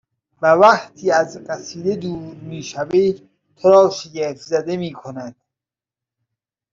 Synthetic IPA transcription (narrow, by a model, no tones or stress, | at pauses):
bævæχt̪ʰiːæzɢæsiːd̪ed̪uːɾɾmiːʃæviː | t̪ʰoɾɒːʃeɟeɾfzæd̪emiːkʰonæd̪̥